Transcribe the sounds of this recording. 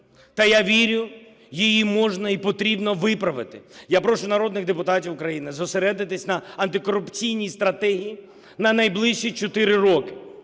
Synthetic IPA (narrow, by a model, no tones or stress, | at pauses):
t̪ɐjaʋʲiɾʲʊ | jijimɔʒnɐipɔt̪ɾʲibnɔʋɪpɾɐʋɪt̪ɪjapɾɔʃʊnɐɾɔd̪nɪɣd̪epʊt̪atʲiwʊkɾɐjinɪzɔseɾɛd̪ɪt̪ɪsʲnɐɐnt̪ɪkɔɾʊpt͡sʲijnʲist̪ɾɐt̪ɛɦʲiji | nɐnɐjblˠɪʃʃit͡ʃɔt̪ɪɾɪɾɔkɪ̥